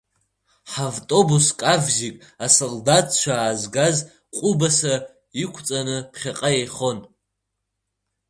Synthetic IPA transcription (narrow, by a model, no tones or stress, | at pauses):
ħavtʼo̞buskʼavzikʼ | asoldatʰt͡ʃʷʰaːzɡaz | qʷʼʊbasa | ikʷʰt͡sʼanɨpʰχʲaqʼajejχo̞n